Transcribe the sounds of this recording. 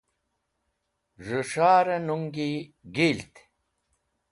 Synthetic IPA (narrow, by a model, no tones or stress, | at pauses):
ʐuʂaːɾɐnuŋɡiɡilt̪